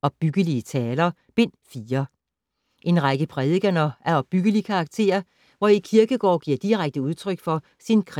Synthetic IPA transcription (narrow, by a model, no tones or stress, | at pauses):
ɒ̽b̥b̥yɡ̥əliət͡sʰɛːlɐ | b̥e̝n̰fiːɐ | ʔe̝nʁɑɡ̥əpʰʁɛðˠɡ̥ɐnɒʔæɐɒ̽b̥ːyɡ̥əlikʰɑ̈ːɡ̥̚t͡sʰe̝̰ːɐ | ʋɒikʰiɐɡ̥əɡ̥ɒ̰ːɡ̥iɐ̰d̥iʁaɡ̥̚d̥əuð̞ˠt͡sʰʁœɡ̥fɒ̽ | sinkʰʁ